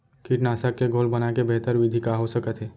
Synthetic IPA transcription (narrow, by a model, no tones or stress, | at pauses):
kiʈnaːsəkːeɡʱoːlbənakebeɦt̪əɾʋɪd̪ʱikaɦosəkət̪ɦɛː